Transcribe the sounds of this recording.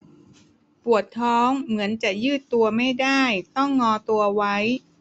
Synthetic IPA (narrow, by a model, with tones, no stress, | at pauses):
pu˨˩ət̪ʰːɔː˦˥ŋmɯ˩˦ənt͡ɕa˨˩jɯː˥˩t̪ːu˧ɐma˥˩jdaː˥˩jt̪ɔ˥˩ŋːɔː˧t̪u˧ɐwa˦˥j